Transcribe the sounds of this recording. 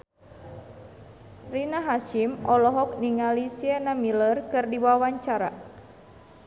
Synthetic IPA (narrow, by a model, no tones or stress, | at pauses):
rinaɦaʃimɔlɔɦɔk̚niŋalisiɛnamilərkɨrdiwawaɲt͡ʃaɾa̰